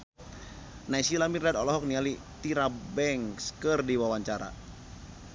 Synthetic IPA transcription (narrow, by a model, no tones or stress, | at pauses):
naisilamirad̪ɔlɔɦɔk̚niali | t̪iɾabɛŋskərdiwawaɲt͡ʃaɾa̰